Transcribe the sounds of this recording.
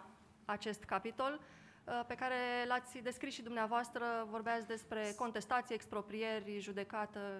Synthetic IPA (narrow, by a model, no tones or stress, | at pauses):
at͡ʃe̞st̪kapit̪o̞l | pe̞kaɾe̞lat̪sʲd̪e̞skɾisʃid̪umneavoast̪ɾəvo̞rbeat̪sʲd̪e̞spɾe̞ko̞nt̪e̞st̪at̪sieːkspɾo̞pɾije̞rʲʒud̪e̞kat̪ə